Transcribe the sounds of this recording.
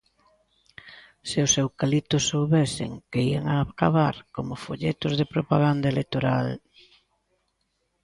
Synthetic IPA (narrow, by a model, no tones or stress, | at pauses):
seʊsewkalit̪ʊsːowβesɪ̰ŋkeia̰ŋaːkaβaɾkomʊfoʎet̪ʊzðepɾopaɣ̞and̪aelek̚t̪oɾal